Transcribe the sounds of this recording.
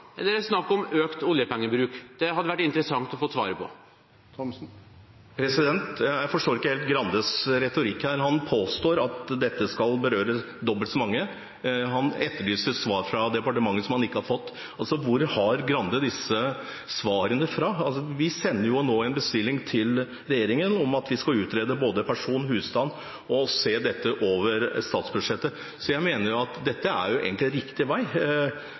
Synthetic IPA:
ɛlːəɾɛsnɑkːɔmøːkt̪ʊljəpɛŋːəbɾʉːkd̪̥ɛɦɑd̪ːəʋæʈːɪnt̪ɾəsɑŋt̪ɔfot̪sʋɑ̰ːɾəpʰɔ̰ | pʰɾɛsɪd̪ɛnt̪jæɪfɔʂʈoːɾɪkːəheːlt̪ɡɾɑnd̪əsɾɛt̪ʊɾɪkːhæːɾɦɑnpʰoːst̪oːɾɑt̪d̪ɛt̪ːəskɑlbəɾøːɾə | d̪ɔbəlt̪sɔmɑŋːə | ɦɑnɛt̪ːəɭyːsəsʋɑːɾfɾɑd̪ɛpɑʈəmɑŋːəsɔmhɑnɪkːəhɑɾfɔt̪ː | ɑlsɔʋʊɾhɑɾɡɾɑnd̪əd̪ɪsə | sʋɑːɾənəfɾɑɑlsɔʋɪsɛnːəɾjʊnoːɛnbəst̪ɪlːɪŋt̪ʰɪl | ɾɛjeːɾɪŋənɔmɑt̪ʰʋɪskɑlʉːt̪ɾeːd̪əboːd̪əpʰæʂuːnhʉːst̪ɑn | ɔseːd̪ɛt̪ːəʔoːʋəɾst̪ɑːt̪sbʉdʂɛt̪ːə | sɔjæɪmeːnəɾjʊɑt̪d̪ɛt̪ːəæ̰ɾjʊʔḛːɡəntlɪɾɪkt̪ɪʋæɪ

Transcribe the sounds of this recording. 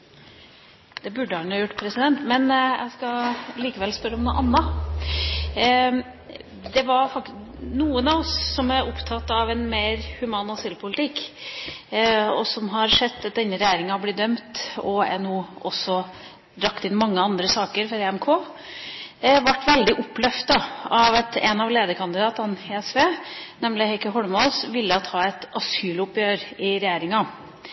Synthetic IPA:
d̪̥ɛbʉɖːəhɑnɑːjʊʈːpʰɾɛsɪd̪ɛnt̪mɛnjæ̰ɪskɑliːkəʋɛlspœɾəɔmnuʔɑnːɑ | d̪ɛʋɑɾfɑk̚nuːənɑʋɔsːɔmæɾʊpt̪ʰɑt̪ːɑʋɛnmeːɾhʉmɑːnɑsɪlpʰʊlɪt̪ʰɪkː | ɔsɔmɦɑɾʂɛd̪ːɑt̪̚d̪ɛnːəɾɛjæːɾɪŋɑɑblɪd̪œmt̪ɔɛnuːʔɔsːɔ | d̪ɾɑkt̪ɪnmɑŋːəɑnd̪ɾəsɑːkəɾfɔɾeɛmkʰoː | ʋɑʈːʋɛld̪ɪʔʊpːlœft̪ɑɑʋɛt̪ɛ̰nɑʋleːd̪əkʰɑnd̪ɪd̪ɑːt̪ɑnheːɛsʋeːnɛmlɪhæɪkəɦɔɽmɑlsʋɪlːət̪ʰɑːɛt̪ɑsyːlʊpjøːɾɪɾɛjæːɾɪŋɑ

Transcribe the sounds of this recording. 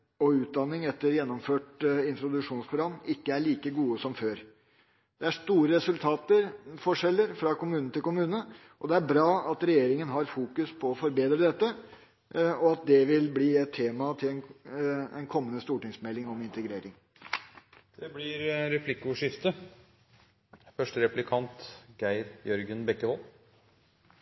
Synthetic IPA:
ɔʉːt̪̚d̪ɑnːɪŋɛt̪ːəɾjɛnːɔmføːʈɪnt̪ɾʊd̪ʉʂuːnspʰɾʊɡɑmːɪkːəæɭiːkəɡuːəsɔmføːɾ | d̪̥ɛæʂt̪uːɾəɾɛsʉlt̪ʰɑːt̪əɾfɔʂɛlːəɾfɾɑkʊmʉːnnət̪ɪlkʊmʉːnə | ʔɔd̪ɛæɾbɾɑːɑt̪ɾɛjeːɾɪŋənɦɑɾfuːkʉspʰɔːfɔɾbeːd̪ɾəd̪ɛt̪ːə | ɔɑt̪̚d̪ɛʋɪlbliːɛt̪ʰːeːmɑt̪ʰɪlɛn | ɛ̰nkʰɔmːənəst̪uːʈɪŋsmɛlːɪŋɔmɪnt̪əɡɾeːɾɪŋ | d̪̥ɛblɪɾɾɛpʰlɪkːʊʂɪft̪ə | fœʂʈəɾɛplɪkʰɑnt̪ɡæɪɾjœɾɡənbɛkːəʋɔl

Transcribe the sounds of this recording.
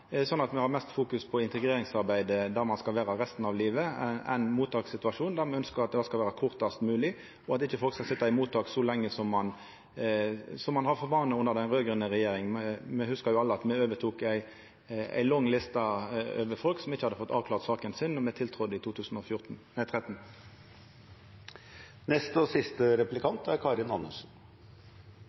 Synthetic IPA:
sɔnːɑt̪mɛhɑɾmɛst̪fuːkʉspʰɔɪnt̪ɛɡʁeːɾɪŋsɑɾbæɪd̪əd̪æɾmɑnskɑlʋæːɾɑɾɛst̪n̩ɑʋliːʋəæ̰ɪnmuːt̪ʰɑːksɪt̪ʉɑʂuːnd̪æʁmɛœnskəɾɑt̪̚d̪ɛɑskɑlʋæːɾɑkʰʊʁt̪ɑst̪mʉːlɪ | ɔɑt̪ɪçːəfɔlkskɑlsɪt̪ːɑɪmuːt̪ɑːksɔlɛŋːəsɔmːɑn | sɔmːɑnhɑʁfɔɾʋɑːʁnəʊnːəʁd̪ɛnɾøːɡəʁənəʁɛjeːɾɪŋənmɛhʉskəɾjʊɑlːəɑt̪mɛøːʋət̪ʰuːkæɪ | æ̰ɪlɔŋːlɪst̪ɑø̰ːʋəɾfɔlksɔmɪçːəhɑd̪ːəfɔt̪ːɑ̰ːʋklɑːʁt̪sɑːkənsɪnːɔmɛt̪ʰɪlt̪ʰɾʊd̪ːəɪt̪ʰuːt̪ʰʉːsn̩ɔfjʊʁt̪n̩ | ɛt̪ʰʁɛt̪n | nɛst̪ɔsɪst̪əɾɛplɪkɑnt̪æɾkʰɑːɾɪnɑnːəʂn̩

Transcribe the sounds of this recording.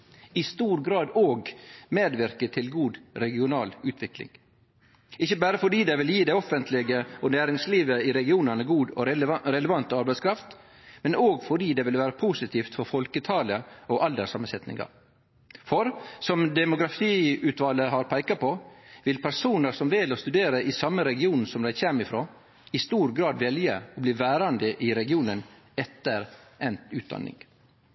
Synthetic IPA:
ɪst̪uːɾɡɾɑːd̪oːɡmeːd̪ʋɪɾkət̪ʰɪlɡuːd̪ɾɛɡɪʊnɑːlʉːt̪ʋɪklɪ̰ŋ | ɪçːəbæːɾəfɔɖiːd̪ɛɪʋɪljiːd̪ɛɪɔfənt̪ʰlɪɡəɔnæːɾɪŋsliːʋəɪɾɛɡɪuːnəɳəɡuːd̪ɔ̰ɾɛləʋɑnt̪əɑɾbæɪskʰɾɑft̪ | mɛnʔoːɡfɔɖiːd̪ɛːʋɪlʋæːɾəpʰuːsɪt̪ʰiːft̪fɔɾfɔlkət̪ʰɑːləɔʔɑld̪əsɑmənsɛt̪nɪ̰ŋɡɑ̰ɾ | fɔɾsɔmd̪ɛmʊɡɾɑfiːʉt̪ʋɑlːəɦɑɾpʰæɪkɑpɔʋɪlpʰæɾsuːnəɾsɔmʋɛlɔst̪ʉd̪eːɾəʔɪsɑmːəɾɛɡɪuːn̩sɔmd̪æɪçeːmɪfɾoː | ɪst̪uːɾɡɾɑːd̪ʋɛljəɔbliːʋæːɾɑnd̪əʔɪɾɛɡɪuːnən | ɛt̪ːəɾɛnʉːt̪̚d̪ɑ̰nːɪ̰ŋ

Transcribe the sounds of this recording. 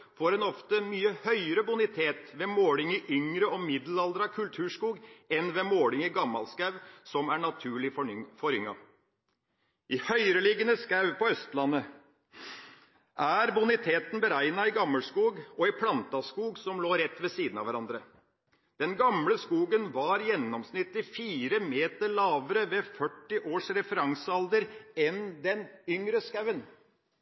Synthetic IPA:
foːɾɛnɔft̪əmyːəhœʏəɾəbʊnɪt̪ʰeːt̪ʋɛmoːlɪŋɪʔʏŋɾəɔmɪd̪l̩ɑld̪ɾɑkʰʉlt̪ʰʉːʂkuːɡɛnʋɛmoːlɪŋɪɡɑmːɑ̰lskɑʉʋsɔmæɳɑt̪ʰʉːɭɪfɔɾʏŋːɑ̰ | ʔɪhœʏɾəlɪːɡənəskɑʉpʰɔœst̪lɑnːə | ʔæɾbʊnɪt̪ʰeːt̪n̩bəɾæɪnɑɪɡɑmːəlskuːɡɔɪpʰlɑnt̪ɑskuːɡsɔmloːɾɛt̪ːʋɛsiːd̪n̩ɑ̰ʋæɾɑnd̪ɾə | d̪̥ɛnɡɑmləskuːɡənʋɑɾjɛnːɔmsnɪt̪ːɪfiːɾəmeːt̪əɭɑːʋəɾəʋɛfœʈːɪʔoːʂɾɛfəɾɑŋsɑld̪əɾɛnd̪ɛnʏŋɾəskɑʉən

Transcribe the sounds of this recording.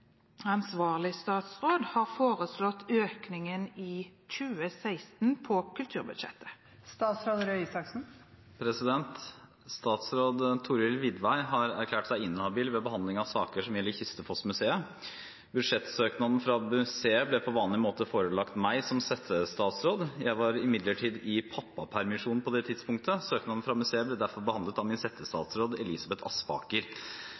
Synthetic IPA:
ɑnsʋɑːʁlɪst̪ɑːt̪sʁoːd̪hɑːʁfoːʁəslɔt̪ʰøːknɪŋəniːc͡çʉːəsæɪst̪n̩pʰɔkʉlt̪ʰʉːʁbʉd̪ʃɛ̰t̪ʰːə̥ | st̪ɑːt̪sɾoːd̪ɾøisɑksn̩ | pʰɾɛsɪd̪ɛnt̪ | st̪ɑːt̪sɾoːd̪t̪ʰʊɾɪlʋɪd̪ʋæɪɦɑɾæ̰ɾkʰlæːʈsæɪɪnːhɑbiːlʋɛbəhɑnd̪lɪŋɑʋsɑːkəʂɔmjɛlːɪçʏst̪əfʰɔsmʉseːə | bʉd̪ʂɛt̪søːknɑd̪n̩fɾɑmʉseːəblɛpʰɔʋɑːnlɪmoːt̪əfoːɾəlɑkt̪mæɪsɔmsɛt̪ʰːəst̪ɑːt̪sɾoːd̪jæɪʋɑɾɪmɪd̪ləʈʰiːd̪ɪpʰɑpːɑpʰæɾmɪʂuːnn̩pʰɔd̪ɛt̪ʰɪd̪spʰʊŋkt̪əsøːknɑd̪n̩fɾɑmʉseːəblɛd̪æɾfɔɾbəhɑnd̪lət̪ɑʋmɪnsɛt̪ʰːəst̪ɑ̰ːt̪sɾoːd̪ɛliːsɑbɛt̪ʰɑspɑ̰ːkəɾ

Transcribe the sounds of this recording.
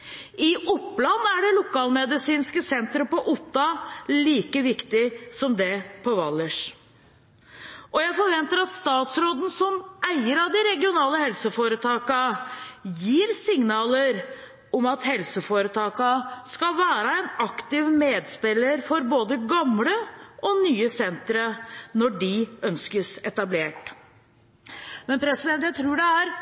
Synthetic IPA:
ɪʔʊpːlɑnːæɖɛlʊkɑːlmɛd̪ɪsiːnskəsɛnt̪ɾəpɔʔʊt̪ːɑliːkəʋɪkt̪ɪsɔmd̪ɛpʰɔʋɑlːəʂ | ʔɔjæɪfɔɾʋɛnt̪əɾɑt̪st̪ɑːt̪sɾoːd̪n̩sɔmæɪəɾɑd̪ɪɾɛɡɪʊnɑːləhɛlsəfoːɾət̪ʰɑːkɑ | jiːɾsɪŋnɑːləɾ | ɔmɑt̪hɛlsəfoːɾət̪ʰɑːkɑskɑlʋæːɾəɛnɑkt̪ɪʋmeːd̪spɪləɾfɔɾboːd̪əɡɑmləɔnyːəsɛnt̪ɾənɔɖɪœnskəsɛt̪ɑbleːʈ | mɛnpʰɾɛsɪd̪ɛnt̪jæɪt̪ʰɾuːɖɛæɾ

